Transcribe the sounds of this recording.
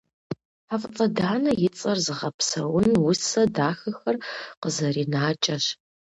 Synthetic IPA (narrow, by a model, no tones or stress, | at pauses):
ħaft͡sʼɐdaːnɐjɪt͡sʼɐrzɨʁɐpsɐwʊnwʊsɐdaːxɐxɐrqəzɐriːnaːt͡ʃʼɐɕ